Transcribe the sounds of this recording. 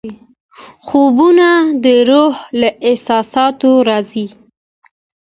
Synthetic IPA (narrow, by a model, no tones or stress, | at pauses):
xobunad̪əɾohlaʔɪhsɑsɑt̪oɾɑzi